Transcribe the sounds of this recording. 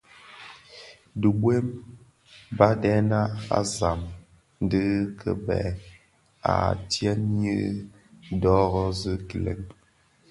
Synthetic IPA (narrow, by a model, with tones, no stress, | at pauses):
də˨bwe˦m | ba˦dɛ˦na˦a̰˦za˨m | n˦dɨ˦kʰə̰˨bɛ̰˨ | a̰˨tjɛ˦njɨ˦ | dɔ˦ɣɔ˦zɨ˦ki˨lḛ˨ŋ